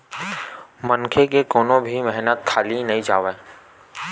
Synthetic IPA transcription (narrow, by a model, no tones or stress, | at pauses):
məŋkʰekekoːnõbʱimɛɦnət̪̚kʰaːlinɐɦĩd͡ʒaːʋeː